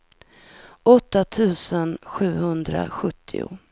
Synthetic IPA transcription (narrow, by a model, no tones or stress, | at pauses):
ʔɔt̪ːat̪ʰʉ̟ːsənɧʉ̟ːhɵnd̪ɾa̰ɧɵt̪ʰːɪ̰ʊ̰